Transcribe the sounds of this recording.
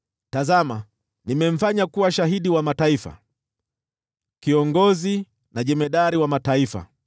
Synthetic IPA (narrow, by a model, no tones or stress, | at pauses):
tazama | nimɛɱ̩faɲakuwaʃaɦiɗiwamataifa̰ | kiɔŋɡɔzi | naʄɛmɛɗaɾiwamataifa̰